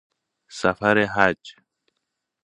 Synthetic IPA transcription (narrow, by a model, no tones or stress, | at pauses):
safaɾeɦad͡ʒ